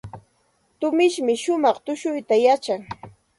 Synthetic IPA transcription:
t̪ʊmɪʃmɪʃʊmɑχt̪ʊʃʊjt̪ajat͡ʃaŋ

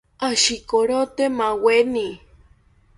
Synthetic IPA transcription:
aʃikoɾot̪emaweni

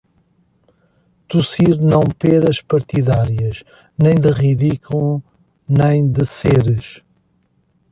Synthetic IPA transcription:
t̪usiɾnɐ̃w̃pɛɾɐʃpɐɾt̪iðaɾiɐʃ | nẽj̃d̪ɨʁiðikul | nẽj̃d̪ɨseɾɨʃ

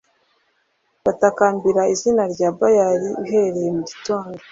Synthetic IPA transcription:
βatakaːmbiɾaizinaɾɟaːbajaɾiɦeɾe̞jemuɟito̞ːndo

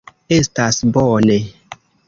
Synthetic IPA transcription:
estasbɔne

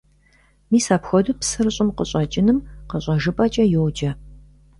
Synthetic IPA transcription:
miːsaːpxʷɔdupsɨrɨɕʼɪmqəɕʼɐt͡ʃʼɪnɨmqəɕʼɐʒɨpʼɐt͡ʃʼɐjɛwd͡ʒɐ

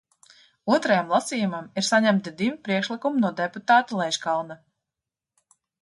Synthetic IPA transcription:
uɔt̪ɾajamlˠasiːjumamiɾsaɲæmt̪id̪ivipɾiɛkʃlˠikumunuɔd̪ɛput̪aːt̪alˠɛjʃkalˠna

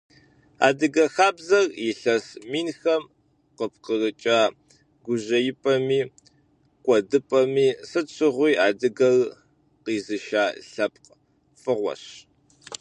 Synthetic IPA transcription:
a̰ːdɨɡɐxaːbzɐrjɪɬɐsmiːnxɐm | qəp̚qərɨt͡ʃʼaː | ɡʷʊʑɐjɪpʼɐmiː | kʷʼɔdɨpʼɐmiːsɨt͡ʃʰʼɨʁʷiːaːdɨɡɐɣ | qiːzɨʃaːɬɐp̚q | fʼɨʁʷɔ̰ɕ

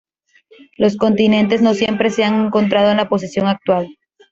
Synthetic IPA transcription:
lo̞sko̞nt̪inẽ̞nt̪̬e̞zno̞sje̞mpɾe̞seaŋe̞ŋko̞nt̪̬ɾað̞oenlapo̞s̬isjo̞ŋak̚t̪wal

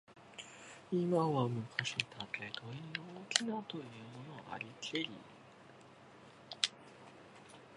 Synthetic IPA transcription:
imaβamɯ̟kʰaɕit̪ʰat̪et̪oiooːkʲʰinat̪o̞jɯ̟ːmo̞no̞a̰ɾʲit̪ʰeɾʲḭ

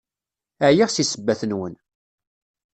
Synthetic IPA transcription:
əʕjiʁsisəbːæθənwən

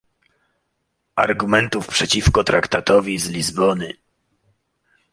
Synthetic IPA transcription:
aɾɡumɛnt̪ufpʂɛt͡ɕifkɔt̪ɾakt̪at̪ɔvʲizlʲizbɔnɘ

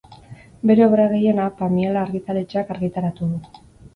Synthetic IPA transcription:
be̞ɾe̞oβɾaɣe̞je̞napamielaːɾɣit̪aɾet͡ʃakaɾɣit̪aɾat̪uðu

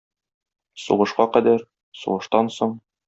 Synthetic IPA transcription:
sṵʁɤ̆ʃqɑqæd̪æɾ | sṵʁɤ̆ʃt̪ɑnsoɴ

